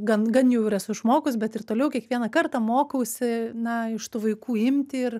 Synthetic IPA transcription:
ɡɐnɡɐnjɛʊɪɾɛsʊɪʃmoːkʊsʲbʲɛt̪ɪrt̪oːlʲɛʊkʲiɛkʋʲiɛnɐkɐrt̪ɐmoːkɐʊsʲɪnɐɪʃt̪uːʋɐɪkuːɪmʲt̪ʲɪɪr

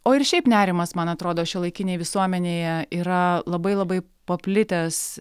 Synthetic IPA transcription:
oːɪɾʃʲɛɪpnʲæːɾʲɪmɐsmɐnɐt̪ɾoːd̪oːʃʲilˠɐɪkʲɪnʲeːjʋʲɪsuɔmʲɛnʲeːjɛiːɾɐlˠɐbɐɪlˠɐbɐɪ | pɐpʲlʲɪt̪ʲɛs

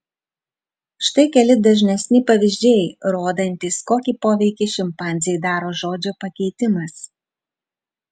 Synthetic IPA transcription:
ʃt̪ɐɪkʲɛlʲɪd̪ɐʒʲnʲɛsʲnʲɪpɐʋʲɪʒʲd͡ʒʲeːjɾoːd̪ɐnʲt̪ʲiːskoːkʲiːpoːʋʲɛɪkʲiʃʲɪmpɑːˑnʲzʲɪjɛɪd̪ɑːɾoːʒoːd͡ʒʲoːpɐkʲɛɪt̪ʲɪmɐs

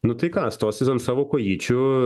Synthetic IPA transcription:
nʊt̪ɨkast̪ɔsʲɛzɔnsɐʋɔkɔjit͡ʃʲʊ

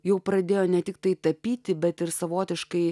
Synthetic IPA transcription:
jɛʊpɾɐd̪ʲeːjoːnʲɛt̪ʲɪk̚t̪ɐɪt̪ɐpʲiːt̪ʲɪbʲɛt̪ɪɾsɐʋoːt̪ʲɪʃkɐɪ

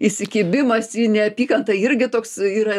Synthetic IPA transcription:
isʲɪkʲiːbʲɪmɐsjiːnʲɛɐpʲiːkɐnt̪ɐɪɾʲɡʲɪt̪oːksiːɾɐ

